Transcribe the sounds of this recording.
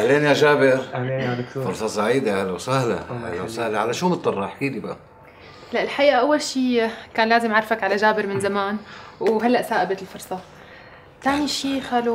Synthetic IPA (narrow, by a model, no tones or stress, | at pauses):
ʔahleːnjaʒaːbɪɾahleːnjadk̪ufʊɾˤsˤɑsˤaʕiːd̪ahalawsahla̰ha̰lawsahlaʕalaʃuːmɨt̪ˤːɑrˤːɑħkiːd̪iba̰ʔa | laʔɪlħaʔiːʔaʔawːalʃiːkaːnlaːzɪmʕɑɾˤfakʕalaʒaːbɪɾmɪnzamaːnwɦalːaʔsaːʔabat̪ɪlfʊɾsˤɑ | t̪aːniʃiːxaːlu